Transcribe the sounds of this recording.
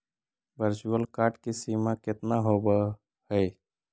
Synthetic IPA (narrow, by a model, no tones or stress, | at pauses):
ʋəɾt͡ʃuəlkaːɾʈkisimakɪt̪naɦobə | həj